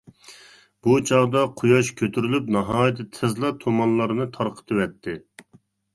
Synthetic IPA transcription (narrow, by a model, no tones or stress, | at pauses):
b̥ut͡ʃʰɑʁd̪ɑqʰujɑʃkʲʰøt̪ʰyɾylypnɑɦɑːjt̪ʰɪt̪ʰɨzlˠɑt̪ʰomɑnlˠɑɾɨnɨt̪ʰɑɾqʰə̥t̪ʰɨwɛt̪ʰːɪ